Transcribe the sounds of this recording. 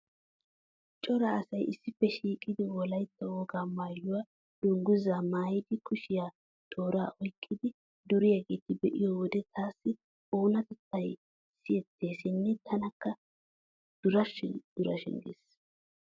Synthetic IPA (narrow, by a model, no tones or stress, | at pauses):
t͡ʃʼɔɾɐːsɐjʔɪsːɪfːɛʃiːkʼːɪd̪ɪwɔlɐjt̪ːɛwɔɡaːmaːjːʊwaː | d̪̥ʊŋɡʊzaːmaːjɪd̪ɪkʊʃɪjaː | t̪ʼoːɾa̰ːʔɔjkʼːɪd̪ɪ | d̪ʊɾɪjaɡeːt̪ɪbɛʔɪ̰jɔwɔd̪ɛt̪ʰaːsːɪ | oːnɐt̪ɛt̪ːɐj | sɪjɛt̪ʰːe̞ːsɪnːɛt̪ʰɐnɐkːɐ | d̪̥ʊɾɐʃɪd̪̥ʊɾɐʃɪ̰ŋɡɪ̰s